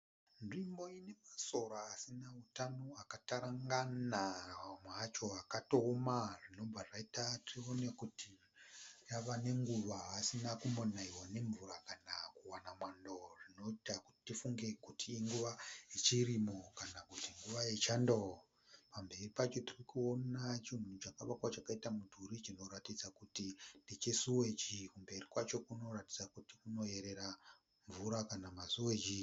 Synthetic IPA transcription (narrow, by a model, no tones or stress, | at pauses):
nʐimbo̞ine̞maso̞ɾaːsinautano̞akataɾaŋɡanamwat͡ʃo̞akatoːmaʐino̞b͡vaʐaitatirio̞nekuti | raʋane̞ŋɡuʋaːsinakumonaiwane̞ɱvuɾakanakuwanamwando̞rino̞itaku̥ti̥tifuŋɡe̞kutiːŋɡuʋait͡ʃirimo̞kanakutiŋɡuʋaet͡ʃando | pambe̞ripat͡ʃo̞tirikuo̞nat͡ʃin̤ṳut͡ʃakaʋakwat͡ʃakaitamudʱuɾit͡ʃino̞ɾatid͡zakutindit͡ʃesuwe̞t͡ʃikumbe̞rikwat͡ʃo̞kuno̞ratid͡zakutikuno̞je̞ɾe̞ɾa | ɱvuɾakanamasuwe̞d͡ʒi